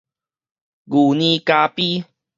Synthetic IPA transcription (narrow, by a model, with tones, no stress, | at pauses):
ɡu˨˩nĩ˧ka˧pi˦